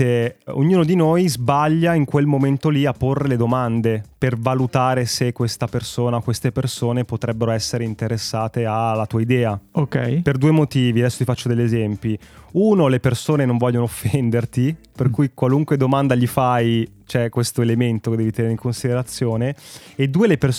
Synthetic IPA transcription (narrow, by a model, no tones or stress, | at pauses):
eo̰ɲːuːnod̪inojzbaʎːaiŋkwelmoment̪oliapːorːeled̪omand̪epervalut̪aːɾesekːwest̪apersoːnakwest̪epersoːnepot̪ɾɛbːeɾoɛsːeɾeint̪eɾesːaːt̪ealːat̪uːaid̪ɛːaokɛ̰jperd̪uːemot̪iːviad̪ɛsːo̥t̪ifat͡ʃːod̪eʎːezɛmpiuːnolepersoːnenoɱvɔʎːonoofːɛnd̪ert̪iperkujkwaluŋkwed̪omand̪aʎifajt͡ʃoɛkːwest̪oelement̪oked̪ːɛvit̪ɛneɾeiŋkonsid̪eɾat̪sːjoːneːd̪ːuːeleper